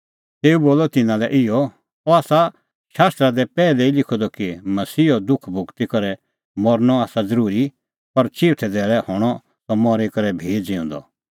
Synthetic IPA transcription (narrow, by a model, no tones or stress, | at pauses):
t̪eːuboːlɔt̪ɪnãlɛʔɪjɔ | ɔaːsa | ʃaːst̪ɾad̪ɛpɛːlɛilɪkʰɔd̪ɔkimɐsiːɔd̪ʊkʰbʱʊɡt̪ikɐɾɛ | mɔɾnɔaːsad͡zɐɾuːɾi | pɐɾt͡ʃɪːʈʰɛd̪ɛːɭɛhɔːɽ̃ɔ | t̪ɔmɔɾekɐɾɛbʱeːd͡ʒɪ̃ʊ̃nd̪ɔ̰